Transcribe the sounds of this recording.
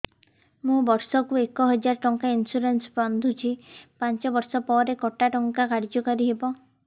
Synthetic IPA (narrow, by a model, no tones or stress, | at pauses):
mũbɔɾsɔkuekɔɦɔd͡ʒaɾɔʈɔŋkainsuɾensband̪ʱut͡ʃʰipant͡ʃɔbɔɾsɔpɔɾekɔʈaʈɔŋkakaɾd͡ʒɔkɔɾiɦebɔ